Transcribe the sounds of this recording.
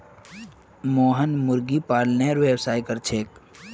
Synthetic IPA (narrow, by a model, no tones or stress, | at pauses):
moːɦənmʊɾɡipaːɽneɾʋeːwsaːikəɾt͡ʃʰeːk